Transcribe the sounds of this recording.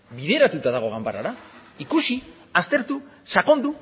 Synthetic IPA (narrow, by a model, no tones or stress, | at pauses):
βiðe̞ɾat̪ut̪aðaɣ̞o̞ɣambaɾaɾaikusi | ast̪e̞ɾt̪usako̞nd̪u